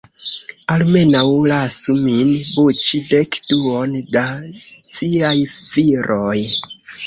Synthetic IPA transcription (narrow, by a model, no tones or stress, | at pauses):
alme̞nawlasuminbut͡ʃidekduo̞ndat͡siajv̥iɾʔoj